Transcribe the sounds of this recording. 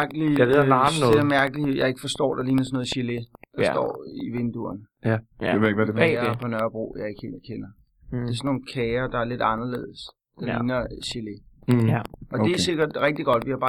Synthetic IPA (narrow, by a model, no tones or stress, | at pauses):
ɐɡ̥əlḭ | eæmæɐɡ̥əlijɑ̈ɪe̝ɡ̥ə̥fɒ̽sd̥ɒ̰ːd̥ɑ̈liːnɐsɒnɔ̽ːð̩ˠɕiled̥ɑsd̥ɒ̰ːiʋe̝nd̥uɐn | ʋeðˠeɡdɐpʰɒ̽nœɐb̥ʁo̝̰ːjɑ̈ɪe̝ɡ̥he̝̰ːlkʰenɐ | d̥e̝æɐsɔnːo̝ːn̩kʰɛːɐd̥ɑ̈æɐle̝d̥ɑ̈nɐle̝̰ːð̞̩̰ˠəs | d̥ɑ̈liːnɐɕile | ʔɒ̽d̥e̝æse̝ɡ̥ɐd̥ʁɛɡ̥̚d̥iɡ̥ɒ̽d̥ʋihɑ̈b̥ɑ̈ː